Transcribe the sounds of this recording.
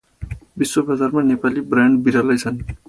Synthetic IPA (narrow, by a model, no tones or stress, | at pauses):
biswobʌd͡zarmanepalibrjaɳɖbiɾalʌjt͡sʰʌn